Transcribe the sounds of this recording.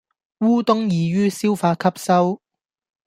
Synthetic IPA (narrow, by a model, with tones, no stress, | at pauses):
wuː˥t̪ʊ˥ŋjiː˨˧ɥyː˥si˥wfaː˧kʰɐ˥p̚sɐ˥w